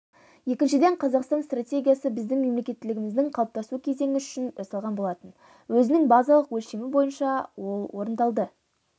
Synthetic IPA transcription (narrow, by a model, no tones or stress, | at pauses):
je̞kʲɪnʃɪd̪e̞ɴqʰɑzɑqst̪ɑnst̪ratʲe̞ɡʲijasəbɪzd̪ɪŋme̞mle̞kʲe̞t̪ːɪlɪɡʲɪmɪzd̪ɪŋqʰɑlˠəp̚t̪ɑsukʲʰe̞ze̞ŋɪʏ̥ʃɪnɑsɑlˠʁɑnbo̞lˠɑt̪ən | wɵzɪnɪŋbɑzɑlˠəqwɵlʃemɪbo̞jənʃɑwo̞lˠwo̞ɾənd̪ɑlˠd̪ə